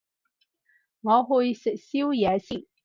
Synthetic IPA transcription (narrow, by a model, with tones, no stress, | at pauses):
ŋɔ˨˧˦xu˧jssi˥wjɛ˨˦si˥˨˩